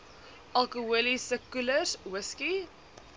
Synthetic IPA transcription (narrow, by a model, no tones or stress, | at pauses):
ʔalkəəlisəkuləswɪski